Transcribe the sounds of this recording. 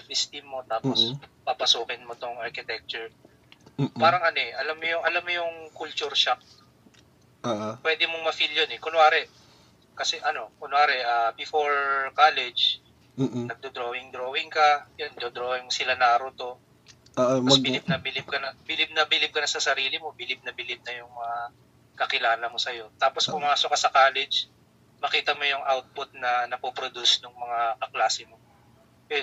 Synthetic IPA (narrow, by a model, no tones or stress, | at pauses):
pɪst̪imːo̞t̪aːpopapɐsuːkɪnmot̪oŋʔɐɾkɪt̪ɛk̚t͡ʃʊɹ | paːɾɐŋʔɐnoɛʔɐlamːojʊŋʔɐlamːojʊŋkʊlt͡ʃuɾʃak̚ | ʔaʔapwɛːd̪ɪmoŋmɐfiljonɛkonwaːɾɛ | kɐsɛʔɐno̞konwaːɾɛʔabɪfoɹkaːlɛd͡ʒ̩ | nɐɡ̚d̪od̪ɾoːhɪŋd̪ɾoːhɪŋkɐjɐnd̪od̪ɾoːhɪŋmosɪlanaːɾot̪o̞ | mɐsbɪlɪb̚nɐbɪlɪb̚kɐnɐbɪlɪb̚nɐbɪlɪb̚kɐnɐsɐsɐɾiːlɪmo̞bɪlɪb̚nɐbɪlɪb̚nɐjʊŋmɐŋa | kɐkɪlaːlɐmo̞sɐjo̞t̪aːposkʊŋaːsokɐsɐkaːlɛd͡ʒ | mɐkiːt̪ɐmojʊŋʔawt̪̚pʊt̪̚nɐnɐpopɾod̪usnʊŋmɐŋakɐklaːsɛmo | pɛ